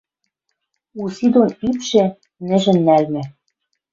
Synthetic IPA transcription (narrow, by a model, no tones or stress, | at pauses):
usid̪onipʃĕ | nɘ̆ʒɘ̆nːælmɘ̆